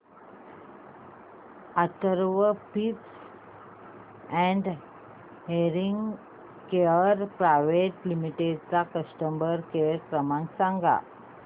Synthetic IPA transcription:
at̪əɾʋəpips | ɛ̃ɳɖ | ɦeɾiŋɡ | keəɾpɾaʋeʈlimiʈeɖt͡sakəsʈəmbəɾkeəɾkɾəmãŋksãŋɡa̰

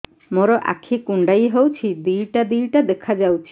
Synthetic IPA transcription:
moɾɔʔa̰kʰikuɳɖajɦewt͡ʃʰid̪ijʈad̪ijʈad̪ekʰad͡ʒawt͡ʃʰi̥

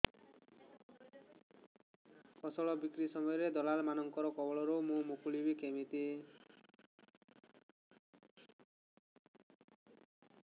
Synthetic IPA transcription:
kʰɔsɔɭɔbikɾisɔmɔjɔɾed̪ɔlalmanɔŋkɔɾɔkɔbɔɭɔɾumũmukuɭibikemit̪i

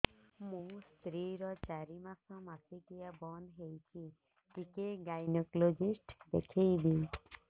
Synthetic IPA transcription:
mũst̪ɾiɾɔt͡ʃaɾimasɔ̃masikijabɔnd̪ɦejt͡ʃʰi | ʈikeɡajnɔklod͡ʒisʈd̪ḛkʰejb̪i

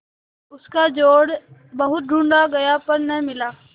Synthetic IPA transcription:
ʊskad͡ʒoːɽbɐɦʊt̪̚ɖʱũːɳɖaɡɐjapɐɾnɐĩmɪlaː

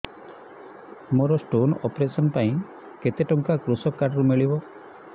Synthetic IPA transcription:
mɔɾɔsʈonɔpɾesɔnpaj̃ | ket̪eʈɔŋkakɾusɔkːaɖɾumiɭibɔ

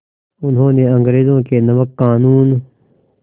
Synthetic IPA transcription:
ʊnɦõːnẽɐ̃ŋɡɾeːzõːkeːnɐʋəkːaːnuːn

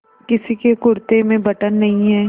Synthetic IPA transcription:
kɪsikekʊɾt̪emẽbɐʈənːɐɦĩɦɛː

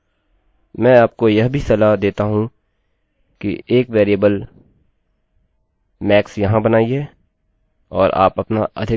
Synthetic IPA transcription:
mɛ̃ːaːp̚kojɐɦbʱisɐlad̪eːt̪aɦũ | kḭeːkʋeːɾijəbəl | mɛːksjɐɦãbɐnaːiɦɛː | ɔːɾa̰ːpɐpnaʔɐ̰d̪ʱɪ

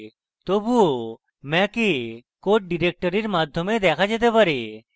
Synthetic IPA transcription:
t̪obuo | mɛ̃kekoʈ̚ɖiɾek̚ʈɔɾiɾmad̪ʱːjɔmed̪ɛkʰad͡ʑet̪̬epaɾe

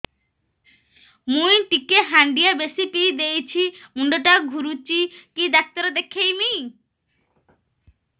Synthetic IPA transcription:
mũjʈikeɦaɳɖijabesipid̪ejt͡ʃʰimuɳɖoʈaɡʱuɾut͡ʃikid̪ak̚t̪aɾed̪ekʰejmi

